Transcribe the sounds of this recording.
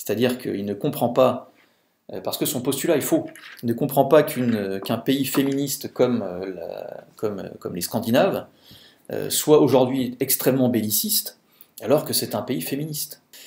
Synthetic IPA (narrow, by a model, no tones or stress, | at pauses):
se̥t̪ad̪iʁkʰə̰ilnəkɔ̃pχɑ̃pa | øpaʁsə̥kəsɔ̃pɔst̪ylaifoilnəkɔ̃pχɑ̃pakʲʰynkʲɛ̃peifeminist̪kɔmøla̰kʰɔmø̰kɔmleskɑ̃d̪inav | ø̰swaoʒuʁd̪ɥiɛkst̪χɛmːɑ̃belisist̪ | alɔʁkəsɛt̪ɛ̃peifeminist̪